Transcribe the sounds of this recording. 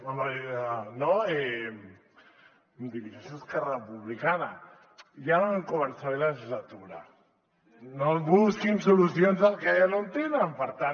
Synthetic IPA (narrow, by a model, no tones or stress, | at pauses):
amanoem | md̪iβisasjoskɛrəpuβlikana | janoŋkoβənsaβelaʒizlat̪uɾa̰ | nomβuskimsulusjonzalkejanont̪enampəɾt̪a